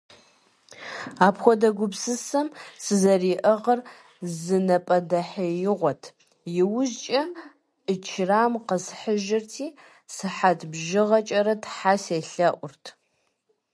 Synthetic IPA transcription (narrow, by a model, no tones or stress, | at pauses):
aːpxʷɔdɐɡʷʊbsɨsɐmsɨzɐriːʔɐʁɐr | zɨnɐpʼɐdɐħɐjɪʁʷɔtʰ | jɪwʊzt͡ʃʼɐ | ʔət͡ʃʰraːmqəsħəʒɪrtʰiː | sɨħatʰbʒɪʁɐt͡ʃʼɐɾɐtʰħaseːɬɐʔʷʊrtʰ